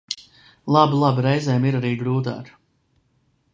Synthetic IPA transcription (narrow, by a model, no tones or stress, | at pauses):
lˠabilˠabiɾɛjzɛjmiɾaɾiːɡɾuːt̪̬a̰ːk